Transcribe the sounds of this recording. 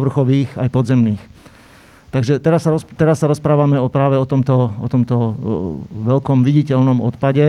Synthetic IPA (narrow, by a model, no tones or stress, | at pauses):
ʋr̩xɔʋiːxajpɔd̪zɛmniːx | t̪aɡʒɛt̪ɛɾasːaɾɔt̪ɛɾasːaɾɔspɾaːʋamɛɔpɾaːʋɛɔt̪ɔmt̪ɔɔ̰t̪ɔmt̪ɔ | ʋɛlkɔmʋiɟicɛʎnɔmɔ̰t̪paɟɛ